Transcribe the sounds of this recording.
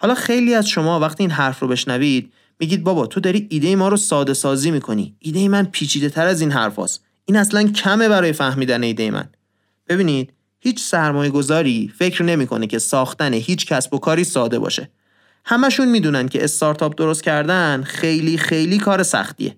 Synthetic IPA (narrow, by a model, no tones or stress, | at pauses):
hɒːlɒːxe̞jliːæzʃo̞mɒːvæxt̪iːnɦæɾfrobe̞ʃnævid̪̥̚ | miːɟiːd̪̚bɒːbɒt̪ʰo̞d̪ɒɾiːiːd̪e̞jemɒːɾosɒːd̪e̞sɒːziːmiːkʰo̞nḭːʔːd̪e̞jemænpʰiːt͡ʃʰiːd̪e̞t̪ʰæɾæzinɦæ̰ɾfɒ̰s | ʔiːnæslæncʰæme̞bæɾɒːje̞fæhmiːd̪æne̞iːd̪e̞jemʔæ̰n | b̥e̞βiːniːd̪̥̚ | hiːt͡ʃʰsæɾmɒːje̞ɡo̞zɒːɾiːfe̞cɾne̞miːkʰo̞̰necʰe̞sɒːxt̪æneɦiːt͡ʃcʰæsbo̞kʰɒːɾiːsɒːd̪e̞̰bɒ̰ʃe̞̰ | hæmæʃunmiːd̪uːnæn̥cʰe̞ʔest̪ɒːɾt̪ʰɒːp̚d̪o̞ɾost̪̚cʰæɾd̪ænxejliːxe̞jliːkʰɒːɾe̞sæ̰xt̪ḭe̞̰